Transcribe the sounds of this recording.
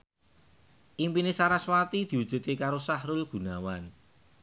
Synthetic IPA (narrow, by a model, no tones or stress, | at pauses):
ʔimpinesaɾaswat̪id̪̥i̤wud̪̥e̤t̪ekaɾosahɾulɡ̥ṳnawan